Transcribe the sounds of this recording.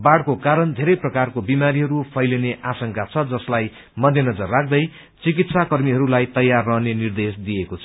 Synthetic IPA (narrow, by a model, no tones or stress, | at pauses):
baɽkokaɾʌnd̪ʱeɾʌjprʌkarkobimaɾiɦʌɾupʰʌjleneʔasʌŋkat͡sʰʌd͡zʌslaj | mʌd̪ʱjenʌd͡zʌrːak̚ʰd̪ʌj | t͡sikit̪sakʌrmiɦʌɾulajt̪ʌjːarːʌɦnenird̪esd̪ijekot͡sʰʌ